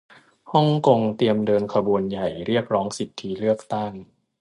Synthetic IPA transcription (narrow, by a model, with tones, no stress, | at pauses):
hɔ˥˩ŋko˧ŋt̪i˧əmdɤː˧nkʰa˧bu˧ənja˨˩jɾi˥˩ək̚ɾɔː˦˥ŋsi˨˩t̪ʰːi˦˥ɾɯ˥˩ək̚t̪a˥˩ŋ